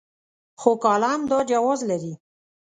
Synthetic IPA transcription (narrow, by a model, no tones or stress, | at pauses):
xokɑlamd̪ɑd͡ʒawɑzlaɾi